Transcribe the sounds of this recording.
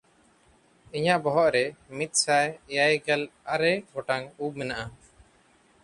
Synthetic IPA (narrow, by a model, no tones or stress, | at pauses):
iɲaʔbɔɦɔʔɾɛmit̪̚ˀsajjajɡɛlaɾɛɡɔʈaŋub̚mɛnaʔa